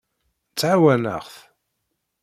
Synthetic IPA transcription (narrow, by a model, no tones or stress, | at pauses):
t͡sːʕawænə̰ʁθ